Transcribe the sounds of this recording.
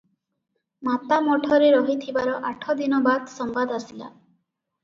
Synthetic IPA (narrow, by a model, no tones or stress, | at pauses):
mat̪amɔʈʰɔɾeɾɔɦit̪ʰibaɾɔʔaʈʰɔd̪inɔbad̪sɔmbad̪asila̰